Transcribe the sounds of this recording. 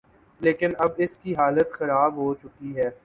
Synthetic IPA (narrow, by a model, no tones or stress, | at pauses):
leːkɪnɐbɪskiɦaːlət̪xɐɾaːbɦoːt͡ʃʊkiɦɛː